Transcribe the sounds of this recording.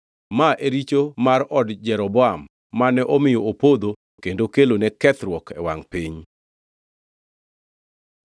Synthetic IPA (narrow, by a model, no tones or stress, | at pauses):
maʔeɾit͡ʃomaɾɔdd͡ʒɛɾɔbɔamː | anɛʔomɪjɔopod̪o | kendokelonɛkɛt̪ɾwɔkʰɛwa̰ŋpiɲ